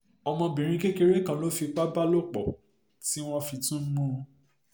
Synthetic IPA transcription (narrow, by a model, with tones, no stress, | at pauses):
ɔ˧mɔ̃˧bĩ˨ɾ̃ĩ˧˦ke˦ke˧ɾe˦kã˧lo˦fi˧k͡pa˦ba˦lo˦˨k͡pɔ̰˨ | ti˦w̃ɔ̃˦fi˧tũ˦mũ˦˧